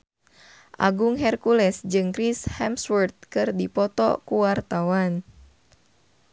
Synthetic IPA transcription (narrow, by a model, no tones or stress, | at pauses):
ʔa̰ɡuŋɦɛrkulɛsd͡ʒɨŋkɾishɛmswɛrt̪̚kɨrdipɔt̪ɔ̰kuwart̪awan